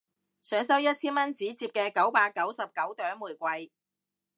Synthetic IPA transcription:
sœː˨˥ŋsɐ˥wjɐ˥t̚t͡sʰiː˥nmɐ˥nt͡siː˨˥t͡siː˧p̚kɛː˧kɐ˨˥wpaː˧t̚kɐ˨˥wsɐ˨p̚kɐ˨˥wt̪œː˨˥ŋmuː˨˩jkʷɐ˧j

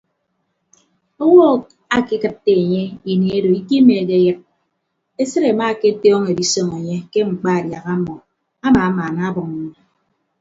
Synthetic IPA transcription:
o˦wɔ˦˨ | a˨ki˦kɨ˨tːe˨e˨ɲe˦i˨ne˨e˦do˨i˦ki˦meː˨ke˦jɨ˦t̚ | e˦sɨ˦ɾe˨ma˦˨ke˦tɔː˦ŋe˨di˦so˦ŋe˨ɲe˦ke˦ŋ͡m̩˨k͡pa˦˨dja˨ɣa˦mɔ˨ | a˦ma˨a˦maː˨na˦bʊ˨ŋ˨ɲ˦e˦

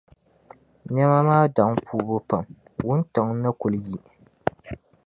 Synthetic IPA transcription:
ɲɛ˦ma˦maː˦da˨˦ŋpʰuː˦bʊ˦pa˨m | wʊ˦nta˨ŋ˦na˦kʊ˨lji˦

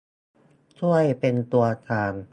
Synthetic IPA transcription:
t͡ɕʰu˥˩əjpe˧nt̪u˧ɐt̪ʰaː˧n

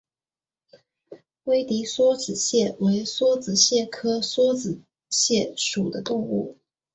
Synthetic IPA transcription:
we˥ɪt̪i˧˥swɔ˥t͡sɹ̩˨˩ɕjɛ˥˩we˧˥ɪswɔ˥t͡sɹ̩˨˩ɕjɛ˥˩kʰɤ˥swɔ˥t͡sɹ̩˨˩ | ɕjɛ˥˩ʂu˨˩d̪ə˦t̪ʊ˥˧ŋu˥˩

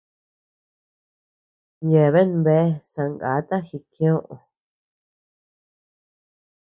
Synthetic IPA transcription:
je˨βe˦nβe˦sã˧ŋɡa̰˨˦t̪ã˦xi˧kj̃õ˦ʔõ̰˨

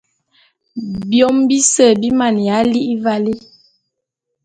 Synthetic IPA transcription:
bjɔ˦mbi˦sə˨bi˦ma˨n˨ja˨˦li˦ʔi˦va˦li˦

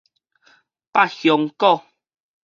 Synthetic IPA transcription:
pa˦˨xjɔ˨ŋkɔ˥˦˨

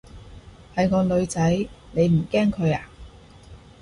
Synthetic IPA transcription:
hɐ˨jŋɔː˧lɵ˨˧ɥt͡sɐ˨˥jne˨˧jm̩˨˩kɛː˥ŋkʰɵ˨˧ɥaː˨

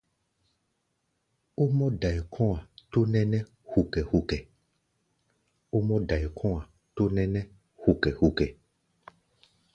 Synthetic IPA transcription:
o˦mɔ̃˦ɖa˨ɛ˨kʰɔ̃˦a˨t̪o˦nɛ̃˦nɛ̃˦ | hu˨kɛ˨hu˨kɛ˨ | o˦mɔ̃˦ɖa˨ɛ˨kʰɔ̃˦a˨ | t̪o˦nɛ̃˦nɛ̃˦ | hu˨kɛ˨hu˨kɛ˨

